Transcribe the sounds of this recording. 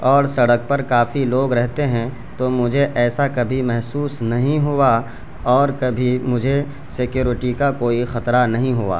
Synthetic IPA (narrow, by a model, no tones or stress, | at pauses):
ɔːɾsɐɽək̚pɐɾkaːfiloːɡɾɛɦt̪eɦɛ̃ | t̪omʊd͡ʒʱeʔɛːsakɐbʱimɛɦsuːsnɐɦĩɦua | ɔːɾkɐbʱimʊd͡ʒʱe | sɪkjuːɾɪʈikakoːixɐt̪ɾanɐɦĩɦʊa̰ː